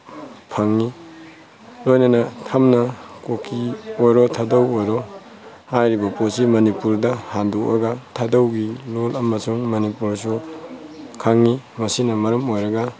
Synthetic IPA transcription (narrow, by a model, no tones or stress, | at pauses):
pʰaŋːi | lojnɐnɐtʰamnɐkokʰiojɾɔtʰadɐwojɾɔ | hajɾibɐposimɐnipuɾdɐhanduʔɐɡɐtʰadɐwɡilolɐmɐsuŋmɐnipuɾsu | kʰaŋːi | mɐsinɐmɐɾɐmojɾɐɡɐ